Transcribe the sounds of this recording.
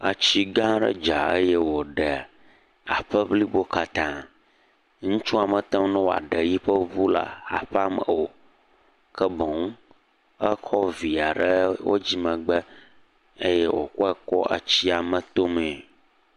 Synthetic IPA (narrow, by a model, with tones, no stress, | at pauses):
a˨t͡ɕi˦ɡã˦ɖə̰˦d͡ʒa˨ə̰˦jɛ˦wo˨ɖɛ˨ | a̰˨ɸə˦bli˦bo˦ka˨t̪ã˦ | ŋũ˦t͡ʃũ˦a˨mə̃˨t̪ɛ̃˦m˦nɔ̃˦wo˨a̰˨ɖə˨ji˦ɸə˦vu˦la̰˨a̰˨ɸɛ˦a˦˨mə̰̃˨wo˨ | kɛ˦bɔ̃˨ŋũ˦ | ə˦kʰɔ˦vi˨a˨ɖə˦wo̰˦d͡ʑi˦mə̃˨ɡ͡bə˦ | ə˦jɛ˦wo̰˨kɔ˦ɛ˦kɔ˦a̰˨t͡ɕi˦a˨mə̃˨t̪o˦mɛ̃˨